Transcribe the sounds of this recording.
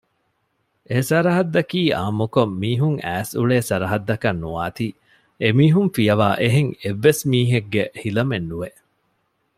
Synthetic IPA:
ʔesɐɾɐɦɐd̪ːɐkiːaːmukomːiːɦuŋæːsuɭeːsɐɾɐɦɐd̪ːɐkɐnːuʋaːt̪i | emiːɦumfijɐʋaːʔeɦeŋeʋːesmiːɦeɡːehilɐmenːuʋeʔ

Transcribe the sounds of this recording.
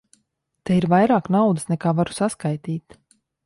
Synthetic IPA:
t̪ɛiɾvajɾaːknawd̪ɨsnɛkaːvaɾu̥saskajt̪iːt̪

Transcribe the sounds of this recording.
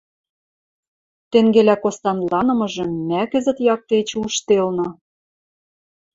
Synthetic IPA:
t̪eŋɡelækost̪ɑnlɑnɤ̆mɤ̆ʒɤ̆mːækɘ̆zɘ̆t̪jɑk̚t̪et͡ɕuʃt̪elnɤ̆

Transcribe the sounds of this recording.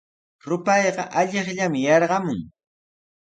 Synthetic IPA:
ɾʊpɑjɢɑʔaʎeχʎamɪjɑɾɢɑmʊŋ

